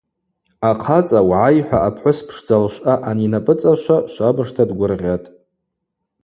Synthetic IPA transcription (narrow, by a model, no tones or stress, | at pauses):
aqʰat͡sʼawʕajħʷᶣaʔapʰħʷʊspʰʂd͡zalʃʷʔʼaʔaninapʼɨt͡sʼaʃʷaʃʷabɨʂtʰadɡʷʊrʁʲatʼ